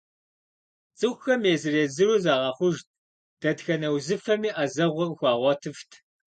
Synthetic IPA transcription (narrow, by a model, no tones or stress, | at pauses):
t͡sʼɨxʷxɐmeːzɨreːzɨɾuzaːʁɐχʷʊʒt | d̥ɐdxɐnɐwzɨfɐmiːʔɐzɐʁʷɔrxʷɑːʁʷɔtʰɨftʰ